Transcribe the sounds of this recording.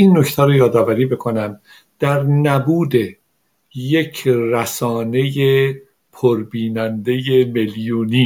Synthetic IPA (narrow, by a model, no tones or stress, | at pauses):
inːo̞ct̪ʰæɾojɒːd̪ɒːvæɾiːbe̞kʰo̞næm | d̪̥æɾnæbuːd̪e̞ | jecʰræsɒːne̞je | pʰoɾbiːnænd̪e̞jeme̞ljuːniː